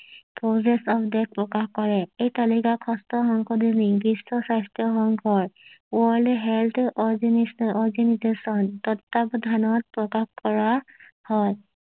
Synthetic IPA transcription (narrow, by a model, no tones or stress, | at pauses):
pɹosesɔpdɛk̚pɹɔkaxkɔɹɛejtalikakʰɔstɔxɔŋkʰɔd̪inibisːɔsastjɔxɔŋkʰɔɹwɔɹlɦelt̪ʰɔɹɡenisɔɹɡenizesɔntɔtːabɔd̪ʱanɔt̚pɹɔkaxkɔɹahɔj